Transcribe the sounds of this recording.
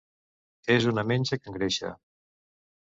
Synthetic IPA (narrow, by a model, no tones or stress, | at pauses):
ezunəmenʲt͡ʃəkəŋɡɾeʃa̰